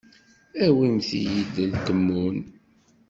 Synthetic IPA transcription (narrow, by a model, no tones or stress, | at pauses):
æwimθḭjid̪əlkəmːun